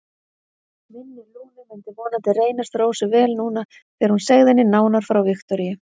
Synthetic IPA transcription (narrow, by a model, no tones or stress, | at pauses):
mɪnːɪluːnɪmɛnt̪ɪvɔːnant̪ɪreːjnast̪ɾowsʏvɛːlnuːna | θɛɾhunsɛɣðɪnːɪnaːwnaɾ̥fɾawvɪxt̪ɔɾijɪ